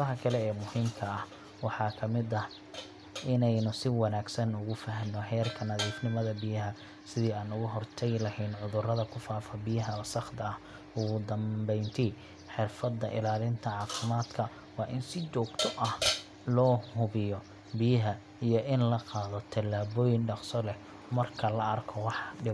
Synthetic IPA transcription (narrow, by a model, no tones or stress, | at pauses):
ɐɦɐkʰɐlɛɛːmʊhiːmkʰɐɐh | wɑħɑːkʰɐmɪd̪ɐh | ʔɪnɛjnʊsɪwɑnaːɡsɐnʊɣʊfɐɦnːɔɦɛːrkʰɐnɐðiːfnɪmɐðɐbɪjɐɦɐ | sɪðiːaːnʊɣʊɦɔrt̪ʰɛjlɐhɛjnʕʊðʊrɐðɐkʰʊfaːfɐbɪjɐɦɐsɑχd̪ɐɐh | ʊɣʊd̪ɐmbɛjnt̪ʰi | ħɪrfɐd̪ːɐ̰ʔɪ̰laːlɪnt̪ʰɐʕɑːfɪmaːd̪kʰɐ | wɑːʔɪnsɪt͡ʃɔːɡt̪ʰʊʔɐh | lɔːhʊβɪjɔ | bɪjɐɦɐ | ijɔʔɪnlɐqɑːðɔt̪ʰɐlːaːβɔːjɪnɖɑqsɔlɛh | mɐrkʰɐlɐʔɐrkʰɔwɑħɖɪ